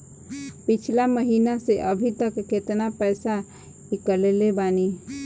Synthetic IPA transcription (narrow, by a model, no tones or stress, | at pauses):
pɪt͡ʃʰlaməɦinaseʔəbʱit̪əkːet̪napəjsa | ikəlelebaːni